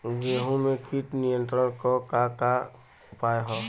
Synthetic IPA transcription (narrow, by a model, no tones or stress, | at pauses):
d͡ʒeɦũmekʰiʈ̪nijə̃nt̪ɾənkɔkaka | paeɦɔ̃